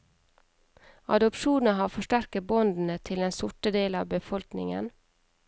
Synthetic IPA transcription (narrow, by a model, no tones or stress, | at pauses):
ɑ̰d̪ʊpʃuːnəhɑːfɔʃʈæɾkəbɔnd̪n̩ət̪ʰɪlɛːnsʊʈəd̪eːlɑ̰ːʋbəfɔlknɪ̰ŋə̰n